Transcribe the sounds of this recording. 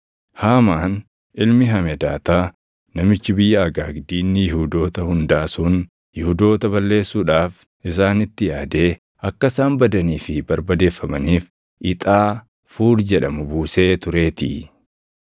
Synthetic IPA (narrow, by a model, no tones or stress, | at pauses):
haːmaːn | ɪlmɪɦɐmɛd̪aːt̪aː | nɐmɪt͡ʃːɪbɪjːaːɡaːɡd̪iːnːɪjɪhuːd̪o̞ːt̪ɐhʊnd̪aːsun | jɪhud̪o̞ːt̪ɐbɐlːe̞ːsːuːᶑaːf | ɪs̬aːnɪt̪ːɪjaːd̪e̞ː | ɐkːɐsaːmbɐd̪ɐniːfɪbɐɾbɐd̪e̞ːfːɐmɐniːf | ʔɪt̪ʼaː | fuːɾd͡ʒɛᶑɐmʊbuːse̞ːt̪ʊɾe̞ːt̪ɪ̰